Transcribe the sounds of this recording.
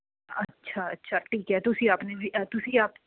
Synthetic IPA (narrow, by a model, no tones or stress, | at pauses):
ɐtːʃʰaɐtːʃʰaʈʰiːkɦɛt̪ʊsiaːpnebʱiʔt̪ʊsiaːp